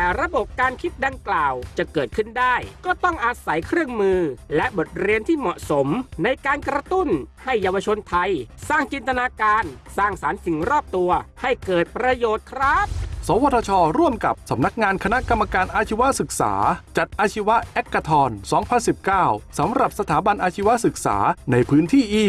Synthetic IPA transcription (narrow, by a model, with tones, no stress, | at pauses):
ɛː˨˩ɾa˧bo˨˩p̚kaː˧nkʰi˦˥t̪̚da˧ŋklaː˨˩wt͡ɕa˨˩kɤː˨˩t̪̚kʰɯ˥˩ndaː˥˩jkɔː˥˩t̪ɔ˥˩ŋʔa˧sa˩˦jkʰɾɯ˥˩əŋmɯː˧lɛ˦˥ʔbo˨˩t̪̚ɾi˧ənt̪ʰiː˥˩mɔ˨˩ʔso˩˦mna˧jkaː˧nkɾa˧t̪u˥˩nha˥˩jːaː˧wa˧t͡ɕʰo˧nt̪ʰa˧jsaː˥˩ŋt͡ɕi˧nt̪a˧naː˧kaː˧nsaː˥˩ŋsaː˩˦nt̪i˨˩˦ŋɾɔː˥˩p̚t̪u˧ɐha˥˩jkɤː˨˩t̪̚pɾa˧joː˨˩t̪̚kʰɾa˦˥t̪̚sɔː˩˦waː˧˩t̪ʰaː˧t͡ɕʰɔː˧ɾu˥˩əmka˨˩p̚sa˩˦mna˦˥k̚ŋaː˧nkʰa˧na˦˥ʔka˧mːa˧kaː˧nʔaː˧t͡ɕʰi˦˥wa˦˥ʔsɯ˨˩k̚sa̰ː˩˦t͡ɕa˨˩t̪̚ʔaː˧t͡ɕʰi˦˥wa˦˥ʔʔe˦˥kːa˧t̪ʰɔː˧nsɔː˩˦ŋpʰa˧nsi˨˩p̚kaː˥˩wsa˩˦mɾa˨˩p̚sa˧t̪ʰaː˩˦ba˧nʔaː˧t͡ɕʰi˦˥wa˦˥ʔsɯ˨˩k̚sa̰ː˩˦na˧jpʰɯː˦˥nt̪ʰiː˥˩ʔiː˧˩